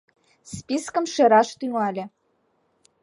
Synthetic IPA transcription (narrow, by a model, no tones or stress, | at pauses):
spiskə̆mʃĕɾɑʃt̪yŋɑlʲĕ